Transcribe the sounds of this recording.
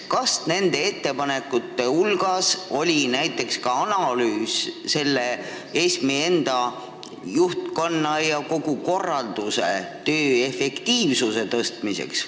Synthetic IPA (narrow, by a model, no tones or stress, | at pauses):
kɑsne̞nd̪̥e̞e̞t̪ːe̞pɑne̞kːˑut̪ːe̞ulɡ̥ɑso̞lʲinæjt̪ːˑe̞kskɑɑnɑlyːsse̞lːe̞ | e̞ːsmie̞nd̪̥ɑ | juht̪ko̞nːɑjɑko̞ɡ̥uko̞rːɑld̪̥usḛt̪øːe̞fe̞kt̪iːvsuse̞t̪ɤst̪mise̞̰ks